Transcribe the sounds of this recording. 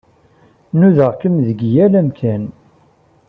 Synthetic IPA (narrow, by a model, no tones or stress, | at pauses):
nuðəʁkəmðəɡjælæmkæn